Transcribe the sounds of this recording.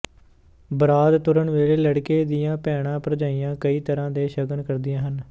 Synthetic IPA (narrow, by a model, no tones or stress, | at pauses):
bəɾaːd̪t̪ʊɾəɳʋeːleːləɽkeːd̪ɪjãːpɛːɽãːpɾəd͡ʒaːijãːkəiːt̪əɾãːd̪eːʃəɡənkəɾd̪ɪjãːɦən